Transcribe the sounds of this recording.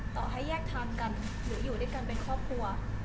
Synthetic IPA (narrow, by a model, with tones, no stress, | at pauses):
t̪ɔ̰ː˨˩ɦa˥˩jːɛː˥˩k̚t̪ʰaː˧mka˧n | ɾɯː˩˦juː˨˩du˥˩˨jka˧npe˧nkʰɔː˥˩p̚kʰu˧ɐ